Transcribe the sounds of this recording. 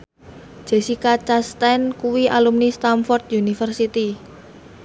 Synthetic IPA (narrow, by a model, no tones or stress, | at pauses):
d͡ʒ̥e̤sikat͡ʃast̪ɛnkuwiʔa̰lumnist̪amfɔrt̪̚junifərsit̪i